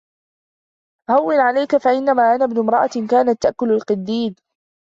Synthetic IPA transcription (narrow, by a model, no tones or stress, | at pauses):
hawːɪnʕalajkafaʔɪnːamaːʔanabnʊmɾˤɑʔakaːnat̪ːaʔkʊlalqɨd̪ːiːd